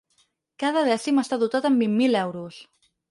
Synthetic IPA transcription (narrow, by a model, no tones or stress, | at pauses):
kaðəðɛsiməst̪aðut̪at̪əmbimːilɛwɾus